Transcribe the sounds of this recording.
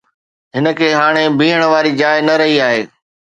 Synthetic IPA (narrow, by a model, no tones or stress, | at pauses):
ɦɪnə̆kʰeːɦaːɽ̃ebĩːəɽ̃̆ʋaːɾid͡ʑaːɪnɐɾɐɦiaːɦeː